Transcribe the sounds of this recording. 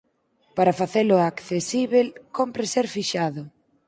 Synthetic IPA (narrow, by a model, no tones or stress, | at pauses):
paɾafaθelʊakθesiβelkompɾɪseɾfiʃaðʊ